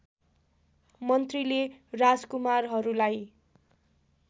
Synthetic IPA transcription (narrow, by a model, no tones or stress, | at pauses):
mʌnt̪rilerad͡zkumarɦʌɾulaj